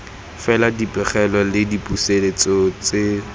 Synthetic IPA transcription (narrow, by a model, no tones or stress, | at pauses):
fɛladipʼɛχɛlɔlɪdipʼuselet͡sɔt͡se